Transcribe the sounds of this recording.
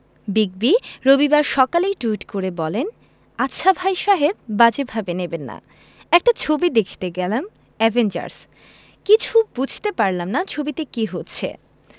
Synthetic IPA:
biɡ̚biɾobibaɾʃɔkalejʈuiʈkoɾebɔlen | atːɕʰabʱajʃaɦeb̚ːad͡ʑebʱabenebenːa̰ | ɛk̚ʈat͡ɕʰobid̪ekʰi̥t̪eɡɛlam | ɛvʱend͡ʑa̰ɾs | kit͡ɕʰubud͡ʑʱt̪epaɾlamnat͡ɕʰobit̪ekiɦotːɕʰḛ

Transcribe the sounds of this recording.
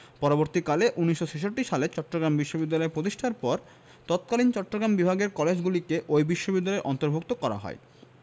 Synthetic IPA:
pɔɾoboɾt̪ikaleʔunːiʃʃot͡ɕʰeʃoʈːiʃalet͡ɕɔʈːɾoɡɾambiʃːobid̪ːalɔeɾpɾot̪iʃʈʰaɾpɔɾ | t̪ɔt̪̚kalint͡ɕɔʈːoɡɾambibʱaɡeɾkɔled͡ʑɡulikeʔojbiʃːobid̪ːalɔeɾʔɔnt̪oɾbʱok̚t̪okɔɾa̰ɦɔ̰e

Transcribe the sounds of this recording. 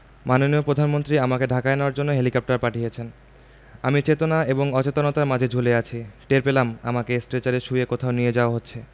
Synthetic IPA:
manoniopɾod̪ʱanmont̪ɾiamakeɖʱakaeneaɾd͡ʑonːoɦelikɔp̚ʈaɾpaʈʰijet͡ɕʰen | amit͡ɕet̪onaeboŋɔt͡ɕet̪onot̪aɾmad͡ʑʱed͡ʑʱuleat͡ɕʰiʈeɾpelama̰makesʈɾet͡ɕaɾeɾʃujekot̪ʰaonied͡ʑaoaɦotːɕʰe

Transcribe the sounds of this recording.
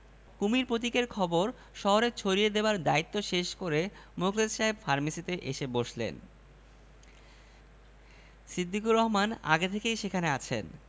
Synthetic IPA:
kumiɾpɾot̪̬ikeɾkʰɔboɾ | ʃɔɦoɾet͡ɕʰoɾijed̪ebaɾd̪ait̪ːoʃeʃkoɾe | mukʰled̪ʃaɦebfaɾmisit̪eʔeʃeboʃlḛn | sid̪ːikuɾɔɦmana̰ɡet̪ʰekejʃekʰaneat͡ɕʰḛn

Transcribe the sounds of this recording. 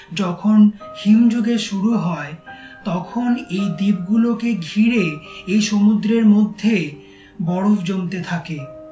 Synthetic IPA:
d͡ʑɔkʰonhimd͡ʑoɡeʃuɾuɦɔet̪ɔkʰonejd̪ib̚ɡulokeɡʱiɾeejʃomud̪ɾeɾmod̪ʱːe | bɔɽofd͡ʑomt̪et̪ʰake

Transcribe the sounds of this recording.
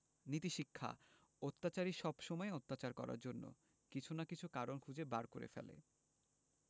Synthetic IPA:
nit̪iʃikʰːa̰ | ot̪ːat͡ɕaɾiʃɔbʃɔmɔeot̪ːat͡ɕaɾkɔ̰ɾa̰ɾd͡ʑonːo̰ | kit͡ɕʰunakit͡ɕʰukaɾonkʰud͡ʑebaɾkoɾḛfḛlḛ

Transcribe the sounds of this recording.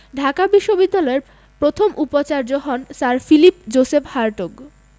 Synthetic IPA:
ɖʱakabiʃːobid̪ːalɔeɾ | pɾot̪ʰomʔupot͡ɕaɾd͡ʑoɦɔnsaɾfilipd͡ʑosephaɾʈoɡ

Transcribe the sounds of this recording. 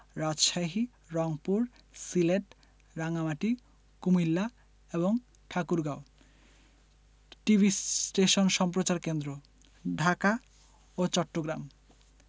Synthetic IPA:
ɾad͡ʑʃaɦi | ɾɔŋpuɾsileʈ | ɾaŋamaʈi | kumilːa | eboŋ | ʈʰakuɾɡao | ʈibʱisʈeʃonʃɔmpɾot͡ɕaɾkend̪ɾo | ɖʱaka | ot͡ɕɔʈːoɡɾam

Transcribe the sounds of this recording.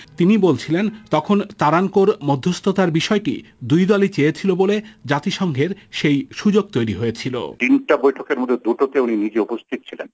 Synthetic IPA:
t̪inibolt͡ɕʰilent̪ɔkʰont̪aɾankoɾmod̪ʱːost̪ʰot̪aɾbiʃɔeʈḭd̪ujd̪ɔlit͡ɕeet͡ɕʰiloboled͡ʑat̪iʃɔŋɡʱeɾʃejʃud͡ʑoɡ̚t̪ojɾiɦoet͡ɕʰilo̰t̪inʈabojʈʰokeɾmod̪ʱːed̪uʈot̪euninid͡ʑeupost̪ʰit̪ot͡ɕʰilen

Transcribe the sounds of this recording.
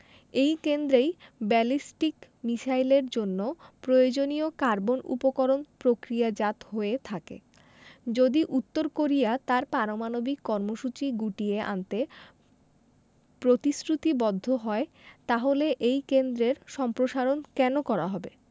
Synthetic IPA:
ejkend̪ɾejbɛlisʈik | miʃajleɾd͡ʑonːopɾojod͡ʑoniokaɾbonṵpokoɾonpɾokɾijad͡ʑat̪ɦoet̪ʰakḛ | d͡ʑod̪iʔut̪ːoɾkoɾijat̪aɾpaɾomanobikːɔɾmoʃut͡ɕiɡuʈieʔa̰nt̪e | pɾot̪isɾut̪ibɔd̪ʱːoɦɔet̪aɦoleʔejkend̪ɾeɾʃɔmpɾoʃaɾonkɛnokɔɾaɦɔbe

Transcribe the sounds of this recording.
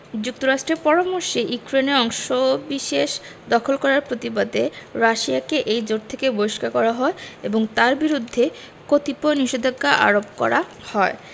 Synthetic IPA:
d͡ʑuk̚t̪oɾaʃʈɾeɾpɔɾamoɾʃeʔukɾeneɔŋʃobiʃeʃ | d̪ɔkʰolkɔɾaɾpɾot̪ibad̪eɾaʃiakeʔejd͡ʑoɖ̚t̪ʰekebojʃkakɔɾaɦɔeeboŋt̪aɾbiɾud̪ʱːe | kot̪iponiʃed̪ʱokːaʔa̰ɾobkɔ̰ɾa | hɔe

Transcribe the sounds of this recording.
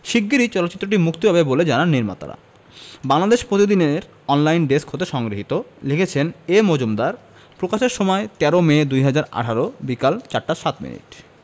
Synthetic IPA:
ʃiɡːiɾit͡ɕɔlotːɕit̪ːɾoʈimukt̪iɦɔbeboled͡ʑanaɾniɾma̰t̪a̰ɾa̰ | baŋlad̪eʃpɾot̪id̪ineɾ | ɔnlajnɖeskɦot̪eʃɔŋɡɾiɦit̪olekʰet͡ɕʰenemod͡ʑumd̪aɾ | pɾokaʃeɾʃomɔet̪ɛɾomed̪ujɦad͡ʑaɾa̰ʈʰaɾobikalt͡ɕaɾʈːaʃat̪mḭnḭʈ̚

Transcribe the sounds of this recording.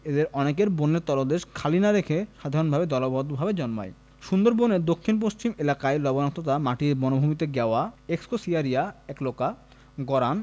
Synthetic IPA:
ed̪eɾɔnek̬eɾboneɾt̪ɔlod̪eʃkʰalinaɾekʰeʃad̪ʱaɾonbʱabed̪ɔlobʱɔd̪bʱabed͡ʑɔnma̰e | ʃund̪oɾboneɾd̪okʰːinp̬ost͡ɕimelakaelɔbonak̚t̪ʰot̪amaʈimɔnobʱumit̪̬eɡɛoaekskosiaɾiaɛkloka | ɡɔɾan

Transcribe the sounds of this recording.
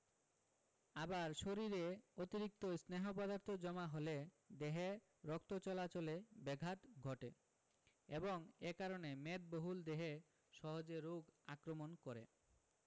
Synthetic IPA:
abaɾʃoɾiɾeot̪iɾik̚t̪osneɦopɔd̪aɾt̪ʰod͡ʑɔmaɦole | d̪eɦe | ɾɔkt̪ot͡ɕɔlat͡ɕolebɛɡʱat̪ɡʱɔʈe | eboŋekaɾonemet̪̚boɦuld̪eɦe | ʃɔɦod͡ʑeɾːoɡakɾomonkoɾḛ

